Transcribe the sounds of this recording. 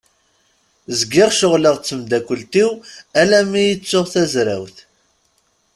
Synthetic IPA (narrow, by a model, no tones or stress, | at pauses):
zɡɪʁʃʊʁləʁt͡sːəmd̪ækʷːəlt̪iwælæmːijət͡sːoʁθæzɾæwθ